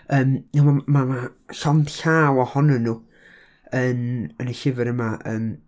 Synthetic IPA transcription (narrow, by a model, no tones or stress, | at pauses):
əːmnamamamaɬɔnd̥ɬaːwɔhɔnənːu | ənənaɬɪvɪɾəmaʔəːm